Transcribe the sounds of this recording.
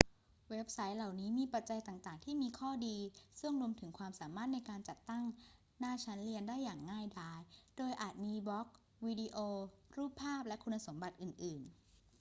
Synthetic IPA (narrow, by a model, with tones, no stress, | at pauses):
we˦˥p̚sa˦˥jla˨˩wniː˦˥miː˧pa˨˩t̪̚t͡ɕa˧jt̪aː˨˩ŋt̪aː˨˩ŋt̪ʰiː˥˩miː˧kʰɔː˥˩diː˧sɯ˥˩əŋɾu˧əmt̪ʰɯ˩˦ŋkʰwaː˧msaː˩˦maː˥˩t̪̚na˧jkaː˧nt͡ɕa˨˩t̪ːa˥˩ŋ | naː˥˩t͡ɕʰa˦˥nli˧əndaː˥˩jːaː˨˩ŋːaː˥˩jdaː˧˥jdoː˧jʔaː˨˩t̪̚miː˧bɔ˦˥k̚ | wiː˧diː˧ʔoː˧ɾuː˥˩pʰːaː˥˩p̚lɛ˦˥ʔkʰu˧nːa˧so˩˦mba˨˩t̪̚ʔɯː˨˩nʔɯː˨˩n